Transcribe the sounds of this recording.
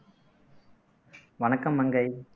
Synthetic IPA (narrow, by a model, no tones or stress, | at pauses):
ʋɐnɐkːɐmːɐŋɡɐɪ